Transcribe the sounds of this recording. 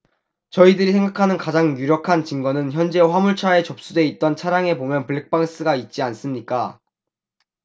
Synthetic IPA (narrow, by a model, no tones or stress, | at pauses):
t͡ɕʌidɯɾisʰe̞ŋɡakʰanɯnkad͡ʑaŋjuɾjʌkʰant͡ɕiŋɡʌnɯnçjʌnd͡ʑe̞ɸwamuɭt͡ɕʰae̞t͡ɕʌp̚s͈ude̞it̚t͈ʌnt͡ɕʰaɾjaŋe̞pomjʌnpɯɭːek̚p͈aŋs͈ɯɡait̚t͡ɕ͈ians͈ɯmɲik͈a